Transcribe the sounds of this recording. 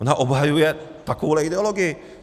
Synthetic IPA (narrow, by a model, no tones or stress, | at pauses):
onaʔobɦajujɛt̪akowlɛid̪ɛoloɡɪ